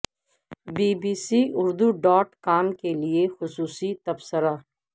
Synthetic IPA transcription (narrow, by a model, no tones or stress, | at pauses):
biːbiːsiʊɾd̪uɖɔːʈkaːmkeliexʊsuːsit̪ɐbsəɾaː